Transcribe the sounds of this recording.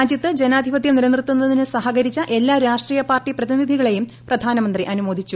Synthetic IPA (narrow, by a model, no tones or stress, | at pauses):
aːd͡ʑjɐt̪ːɨd͡ʑe̞naːd̪ʱipɐd̪jɐmniɾɐnrɨt̪ːunːɐðinɨsɐɦɐɣɐɾit͡ɕːɐʔe̞lːaːɾaːʂʈriːjɐpaːrʈːiprɐðinid̪ʱiɣɐɭe̞jumprɐd̪ʱaːnɐmɐnd̪riʔɐnumoːd̪ʱit͡ɕːu